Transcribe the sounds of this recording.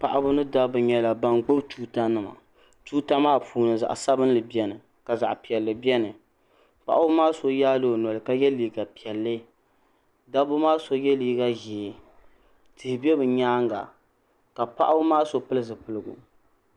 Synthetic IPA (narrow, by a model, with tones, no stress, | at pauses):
pa˨ʔa˦bʊ˦nɨ˦da˦bɨ˨ɲɛ˦la˨ba˨nɡ͡bʊ˦btuː˦ta˦nɨ˨ma̰˨ | tuː˦ta˦maː˦pʰuː˨nɨ˨za̰˨ʔsa˦bɨ˦n˦lɨ˨bi˦ɛ˦nɨ˨ | ka˨za̰˨ʔpi˨ɛ˨lːɨ˨bjɛ˦nɨ˨ | pa̰˨ʔa˦bʊ˦maː˦so˨jaː˦lo˦˨nɔ˨lɨ˨ka˨jɛ˦liː˨˦ɡa˨pi˨ɛ˨lːɨ˦ | da˦bʊ˦maː˦so˨jɛ˦liː˦ɡa˦ɣɛ˨ | tɨ˨hɪ˨bi˦ɛ˦bɨ˨ɲaː˦ŋɡa̰˨ | ka˨pa̰˦ʔa˦bʊ˦maː˦so˨pɨ˦lɨ˦zɨ˨pɨ˨lɨ˦ɡʊ̰˨